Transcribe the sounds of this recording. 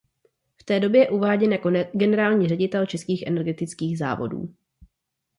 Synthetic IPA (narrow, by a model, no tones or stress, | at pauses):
ft̪ɛːdo̞bjɛjɛʔuvaːɟɛnjakoɡɛnɛɾaːlɲiːrɛɟɪt̪ɛlt͡ʃɛskiːxʔɛnɛɾɡɛt̪ɪt͡skiːɣza̰ːvo̞̰dṵː